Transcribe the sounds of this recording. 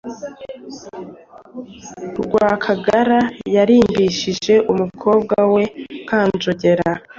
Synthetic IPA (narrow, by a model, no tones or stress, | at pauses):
ɾɡwaːkʰaɡaɾajaɾiːmbiʃiʒe̞ʔumukʰo̞ːb̚ɡawe̞kaːnzoɟe̞ɾa